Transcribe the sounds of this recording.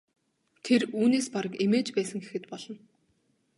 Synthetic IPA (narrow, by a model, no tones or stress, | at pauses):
t̪ʰeruːneːspaɾə̆kimeːt͡ɕpæːsə̆ŋxexɘ̆t̪pɔɮ̥ɞ̆n